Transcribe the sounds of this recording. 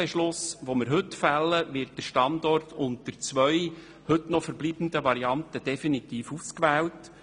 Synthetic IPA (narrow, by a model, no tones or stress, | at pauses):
ɛʃlʊsʋomɪɾɦɵt̪fælːəʋɪɾt̚d̥əɾʃtɑnd̪ɔrtʰʊnt̪əɾt͡sʋœʏ | hɵtnɔfəɾbliːb̥n̩d̥̪əʋɑɾiɑnt̪əd̥ɛfinit̪iːfuskʋɛːlt